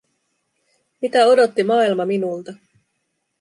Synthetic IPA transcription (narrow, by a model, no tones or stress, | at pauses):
mit̪æo̞do̞t̪ːimɑːilmɑminult̪ɑ